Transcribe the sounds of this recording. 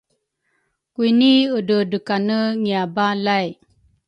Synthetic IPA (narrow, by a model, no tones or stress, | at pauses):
kuiniədədəkanəŋiabalaj